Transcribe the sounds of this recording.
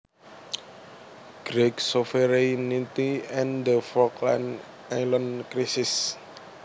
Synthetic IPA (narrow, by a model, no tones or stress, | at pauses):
ɡ̥ɾiksofəɾanit̪iɛ̃nd̪əfɔklã̰n | ajlə̃nkɾisis